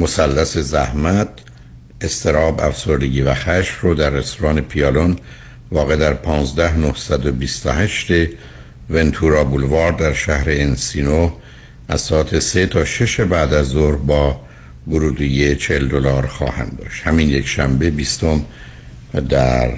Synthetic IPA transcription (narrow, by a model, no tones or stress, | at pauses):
mo̞sælːæse̞zæhmæt̪̚ | e̞st̪ʰe̞ɾɒːbæ̰fso̞ɾd̪e̞ɡɟiːvæxæʃfroːd̪ærːe̞st̪ʰoɾɒːne̞pʰiɒːlon | vɒːɣed̪æɾpʰɒːnzd̪æhnohsæd̪o̞bist̪ohæʃt̪e | ve̞nt̪ʰuɾɒːbulvɒːɾd̪æɾʃæhɾe̞ːnsiːno | æz̥sɒːæt̪ʰese̞t̪ʰɒːʃe̞ʃebæːd̪æzoɾhbɒː | boɾuːd̪ijet͡ʃʰeeld̪olɒːɾxɒ̰ːhæ̰nd̪ɒ̰ːʃt̪hæminjekʃæmbe̞bist̪o̞m | d̪æɾ